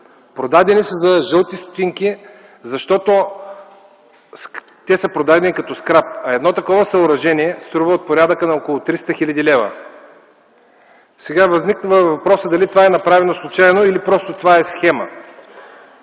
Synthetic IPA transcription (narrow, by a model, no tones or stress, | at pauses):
pɾod̪ad̪ɛnisəzɐʒɤlˠt̪ist̪o̥t̪iŋki | zɐʃt̪ɔt̪o | s | t̪ɛsəpɾod̪ad̪ɛnikɐt̪ɔskɾap̚ɐɛd̪nɔt̪ɐkɔvəsɐoɾɐʒɛniɛst̪ɾuvəot̪̚poɾʲad̪əkənɐɔkolˠot̪ɾist̪əxilʲɐd̪ilɛvə̰ | sɛɡavɐzniknəvəvɐpɾɔsəd̪ɐlit̪ovaɛnɐpɾavɛnoslˠut͡ʃaɛnoilipɾɔst̪ot̪ovaɛsxɛmə̰